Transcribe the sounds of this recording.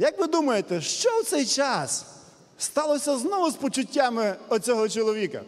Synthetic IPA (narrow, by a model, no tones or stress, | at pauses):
jɐkʋɪd̪umɐjet̪ɛʃt͡ʃɔwt̪sɛjt͡ʃɑs | st̪ɑlˠɔsʲɐznɔʋʊspɔt͡ʃʊtʲːamɪɔt͡sʲɔɦɔt͡ʃɔlˠɔʋʲikɐ̰